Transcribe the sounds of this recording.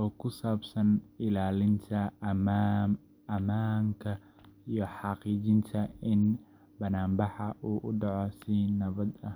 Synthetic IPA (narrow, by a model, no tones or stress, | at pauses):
ʔɔːkʰʊsaːbsɐnɪlaːlɪnt̪ʰɐ | ɐmaːŋkʰɐ | ijɞħɑqiːt͡ʃɪnt̪ʰɐɪn | bɐnaːmbɑħɐʔuːʔʊɖɑʕɔsɪnɐβɐd̪ɐ